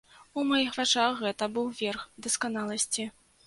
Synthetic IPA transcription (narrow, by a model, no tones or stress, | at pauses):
umajixvat͡ʂaxɣɛt̪ɐbɨwvʲɛrxd̪ɐskanalˠɐsʲt͡sʲi